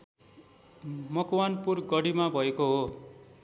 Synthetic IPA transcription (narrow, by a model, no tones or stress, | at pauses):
mʌkwanpurɡʌɽimabʱʌekoɦo